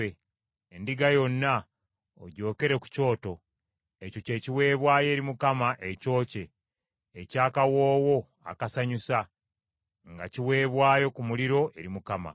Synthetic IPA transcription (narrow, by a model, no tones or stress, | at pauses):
e | endiɡajo̞nːa | o̰ɟo̞ːke̞ɾe̞ku̥co̞ːto̞ | eco̞ce̞ːciwe̞ːβwaːje̞ːɾimukamaʔeco̞ːce̞ː | caːkawo̞ːwo̞ | a̰kasaɲusa | ŋɡa̰ciwe̞ːβwaːjo̞kumuliɾo̞ʔe̞ɾimukama̰